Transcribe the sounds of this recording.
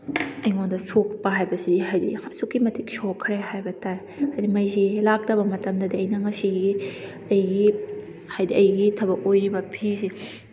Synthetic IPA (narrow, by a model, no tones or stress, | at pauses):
ɐjŋondɐsok̚pɐɦajbɐsiɦajdḭsukːimɐtʰiksokʰːɾeɦajbɐtʰaj | hajdimɐjzilak̚dɐbɐmɐtɐmdɐdiɐjnɐŋɐsiɡi | ɐjɡi | hajdiɐjɡitʰɐbɐkojɾibɐpʰisi